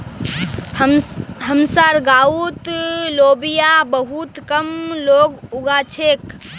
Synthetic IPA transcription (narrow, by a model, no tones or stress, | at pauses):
ɦəmsaːɾɡaːut̪loːbijabəɦut̪kəmloːɡʊɡat͡ʃʰeːk